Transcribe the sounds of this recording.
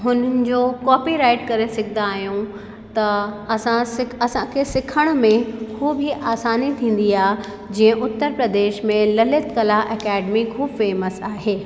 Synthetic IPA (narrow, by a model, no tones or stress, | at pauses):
ɦʊnənɪ̆d͡ʑoːkɔːpiɾaːɪʈkɐɾesɐɡʱɪ̃nd̪aːɦijũ | t̪ɐɐsãsɪɐsãkʰesɪkʰəɽ̃ʊ̆mẽkʰuːbiʔaːsaːnit̪ʰĩːn̆d̪iaː | d͡ʑiːə̃ʔʊt̪ːəɾpɾɐd̪eːʃmẽlɐlɪt̪kɐlaʔɛːkɛːɖmikʰuːbfeːməsaːɦeː